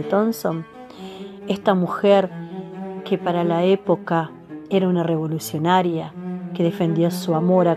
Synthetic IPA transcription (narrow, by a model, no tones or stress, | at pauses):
et̪onson | est̪amuxeɾ | kepaɾalaepo̞ka | eɾaunare̞β̞o̞lusjo̞naɾjake̞ðefe̞nd̪iosuamo̞ɾa